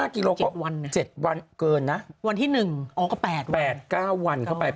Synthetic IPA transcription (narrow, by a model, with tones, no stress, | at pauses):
aː˥˩ki˧loː˧kt͡ɕɔː˥˩wa˧nː˦˥t͡ɕe˨˩t̪̚wa˧nkɤː˧nːa˦˥ʔwa˧nt̪ʰiː˥˩nɯ˨˩ŋʔɔː˨˦˩kɔ˥˩pɛː˨˩t̪̚pɛː˨˩t̪̚kaː˥˩wːa˧nkʰa˥˩wpa˧j